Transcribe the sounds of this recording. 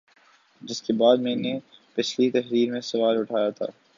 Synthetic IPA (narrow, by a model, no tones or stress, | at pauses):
d͡ʒɪskebaːd̪mɛ̃ːnepɪt͡ʃʰlit̪ɐɦɾiːɾmẽsɐʋaːɾʊʈʰaːjat̪ʰa̰ː